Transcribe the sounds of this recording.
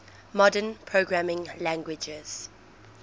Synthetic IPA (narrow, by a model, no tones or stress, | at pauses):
mɔdə̃npʰɹoɡɹamɪ̃ŋlæ̃ŋɡwɪd͡ʒɪz̥